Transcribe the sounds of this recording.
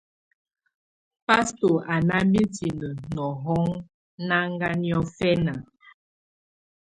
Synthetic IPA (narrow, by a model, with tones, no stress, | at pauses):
pa˦sto˨ʔa˨na˦mbi˦ti˨nə˨nɔ˨ɦɔ˦ŋ | na˦ŋ˦ɡa˦njɔ˦fɛ˦na˨